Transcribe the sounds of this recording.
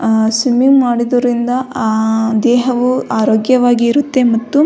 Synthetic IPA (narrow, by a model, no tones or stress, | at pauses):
simimaːɽid̪ɐɾind̪ɐ | d̪ɛːɦɐʋuaːɾoːɡjɐʋaːɡiːɾut̪ːe̞mɐt̪ːu